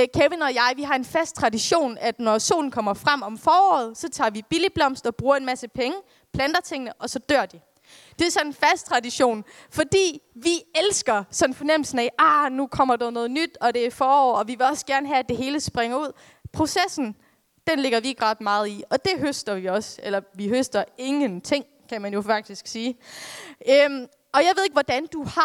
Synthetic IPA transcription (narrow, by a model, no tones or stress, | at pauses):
kʰeʋenɒ̽jɑ̈ɪʋiɦɑ̈e̝nfæsd̥̚t͡sʰʁɑ̈diɕo̝̰ːnæd̥nɒso̝̰ːln̩kʰɒ̽m̰ɐfʁam̰ɒ̽mfɒːɒ̰ːð̩ˠsɒ̽t͡sʰɑ̰̈ːʋib̥ilib̥lɒ̽m̰sd̥ɒ̽b̥ʁuːɐe̝nmæsəpʰeŋə | pʰlænd̥ɐt͡sʰeŋ̰ənəʔɒ̽sɒ̽d̥øɐ̰d̥i | d̥e̝ɐsɒ̽nenfæsd̥̚t͡sʰʁɑ̈diɕo̝̰ːnfɒ̽d̥ḭːʋielsɡ̥ɐsɒ̽nfɒ̽nem̰l̩sn̩æʔɑnukʰɒ̽m̰ɐd̥ɑðnɔ̽ːð̞̩ˠnyd̥ɒ̽d̥e̝æfɒːɒ̰ːɒ̽ʋiʋe̝ɒ̽sɡ̥æɐnəɦæːd̥e̝ɦe̝ːləsb̥ʁaŋɐuð̞̰ˠ | pʰʁo̝sesn̩ | d̥enle̝ɡ̥ɐʋieɡ̥ʁɑd̥mɑ̈ːð̞̩ˠiɒ̽d̥e̝ɦøsd̥ɐʋiɒ̽selɐʋiɦøsd̥ɐe̝ŋənt͡sʰe̝ŋ̰kʰæmænjo̝fɑ̈ɡ̥̚d̥isɡ̥siː | øm | ʔɒ̽jɑ̈ʋe̝e̝ɡ̥ʋɒd̥ænd̥uhɑ̈